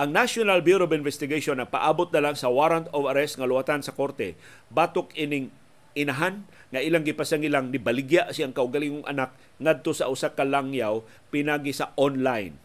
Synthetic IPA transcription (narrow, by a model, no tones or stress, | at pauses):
ʔɐŋnaʃonalbjuɾobɪnvɛst̪ɪɡaʃonɐpa̰ʔaːbot̪̚nɐlaŋsɐwaɾant̪ovɐɾɛst̪̚ŋɐlʊat̪ansɐko̞ɾt̪ɛ | baːt̪okɪnɪŋ | ʔɪnaɦanŋɐʔɪlaŋɡɪpasaŋɪlaŋnɪbɐlɪɡjaʔsiaŋkɐʔʊɡɐliŋoŋʔɐ̰nak̚ | ŋad̪̚t̪osɐʔʊsakɐlaŋjaw | pɪnaːɡɪsɐʔonlajn